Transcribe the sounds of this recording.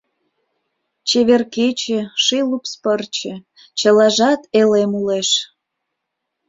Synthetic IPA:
t͡ɕeβerket͡ɕĕʃilupspərt͡ɕĕ | t͡ɕəlɑʒɑt̪elemuleʃ

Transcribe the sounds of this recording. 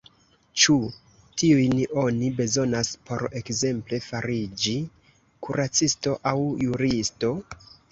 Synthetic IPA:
t͡ʃu | tiujno̞nibe̞zo̞naspʰo̞ɾe̞kze̞mple̞faɾid͡ʒi | kuɾat͡sisto̞ʔawjuɾisto̞

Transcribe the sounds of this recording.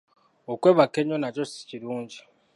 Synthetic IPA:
okweːβakeɲonat͡ʃosi̥ciɾuːɲɟi̥

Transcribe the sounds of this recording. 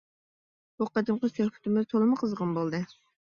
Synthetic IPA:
b̥uqɑd̪ɨmqəsøχpʰʊ̥t̪ɪmɪzt̪ʰolˠɨmɨqʰəzʁɑnbolˠd̪ɨ

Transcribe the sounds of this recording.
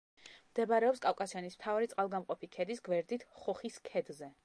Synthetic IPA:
md̪̥ɛbaɾɛɔpskʼawkʼasijanism̥t̪ʰavaɾit̪sʼqʼalˠɡamqʼɔpʰikʰɛd̪isɡwɛɾd̪it̪ʰχɔχiskʰɛd̪zɛ

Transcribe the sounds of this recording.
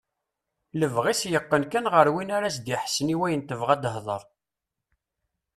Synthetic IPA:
ləvʁisjəqːənkænʁəɾwinaɾæsd̪iħsniwæjənt̪əvʁæd̪əɦðˤə̰ɾˤ

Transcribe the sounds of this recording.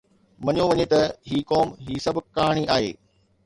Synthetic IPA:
ʋɐɲõʋɐɲet̪ɐɦiːkɔːmɦiːsɐbʊkaɦɽ̃iʔaːɦḛː

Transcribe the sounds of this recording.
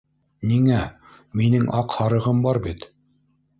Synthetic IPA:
niŋæ | minɘŋʔɑqhɑɾɤ̆ʁɤmbɑɾbit̪

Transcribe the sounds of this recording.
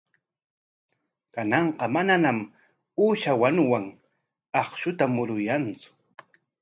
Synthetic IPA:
kanɑɴqɑmananam | uːʃawanʊwaŋ | ɑχʃʊt̪amʊɾʊjant͡sʊ̥

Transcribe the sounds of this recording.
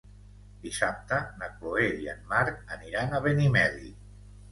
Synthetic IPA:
d̪isap̚t̪ənakloeiə̰nmːaɾk̚əniɾanaβenimɛði

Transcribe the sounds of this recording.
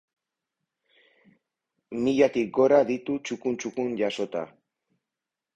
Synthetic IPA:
miʎat̪ik̚ɡo̞ɾaðit̪ut͡ʃukunt͡ʃukunʝaso̞t̪a̰

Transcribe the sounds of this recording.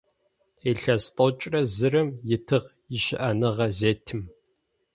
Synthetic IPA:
eːɬɐst̪ʼot͡ʃʼrɐzɨrɐmjɪtʰɨʁ | jɪʃɪʔɐnɨʁɐzeːtʰɨm

